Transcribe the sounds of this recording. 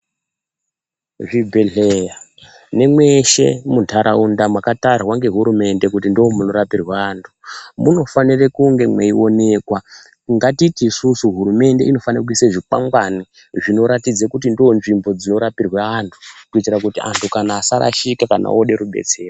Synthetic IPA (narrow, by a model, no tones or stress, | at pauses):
ʐibʱeɮeja | ne̞mwe̞ʃe̞muntʰaɾaundamwakatarwaŋɡe̞ɦuɾume̞nde̞kutindoomuno̞ɾapirwaːntʰu̥muno̞fanirekuŋɡe̞mwḛio̞ne̞kwa | ŋɡatitiːsusuɦuɾume̞nde̞ino̞fanak̬uiseʐipaŋɡwani | ʐino̞ɾatid͡zekut̬indionʐimbo̞d͡zino̞ɾapirwaːntʰu̥kuitirakutia̰ntʰukanaːsaɾa̰ʃikakana̰oɗe̞ɾuɓe̞̰t͡se̞ːra